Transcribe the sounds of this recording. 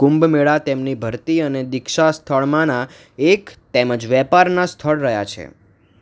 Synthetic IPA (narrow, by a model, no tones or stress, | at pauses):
kũmbmeɭat̪emnibʱəɾt̪iəned̪ɪkʃast̪ʰəɭmãna | ekt̪eməd͡ʒʋɛpaɾnast̪ʰəɭɾəɦjat͡ʃʰḛ